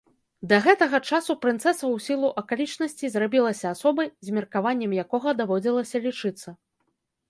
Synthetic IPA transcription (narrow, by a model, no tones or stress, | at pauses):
d̪ɐɣɛt̪ɐɣɐt͡ʂasupɾɨnt̪sɛsɐwsʲilˠuʔɐkalʲit͡ʂnɐsʲt͡sʲizrabʲilˠɐsʲɐːsɔbɐjzʲmʲirkavanʲːɛmjakɔɣɐd̪avɔd͡zʲilˠɐsʲɐlʲit͡ʂɨt̪sːɐ